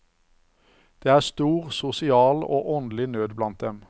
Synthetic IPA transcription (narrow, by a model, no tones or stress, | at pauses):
d̪̥eːæːʁst̪uːʁsʊsɪɑːlo̰ːʔɔnd̪lɪnøːd̪blɑnt̪̚d̪ɛm